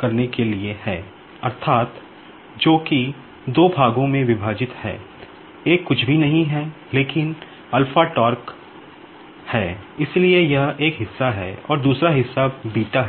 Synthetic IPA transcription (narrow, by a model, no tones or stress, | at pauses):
kɐɾnekeliehɛː | ɐɾt̪ʰaːt̪ | d͡ʒoːki | d̪oːbʱaːɡõmẽʋɪbʱaːd͡ʒɪt̪hɛ̰ː | eːkːʊt͡ʃʰbʱinɐɦĩɦɛ | leːkɪn | ɐlfaʈɔːɾk | hɛːɪsliejɐɦeːkɦɪsːaɦɛ̰ɔ̰ːɾd̪uːsɾaɦɪsːabiːʈaɦɛ